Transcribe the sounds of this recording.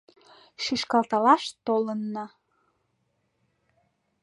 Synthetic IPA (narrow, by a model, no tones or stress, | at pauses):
ʃiʃkɑlt̪ɑlɑʃt̪olənːɑ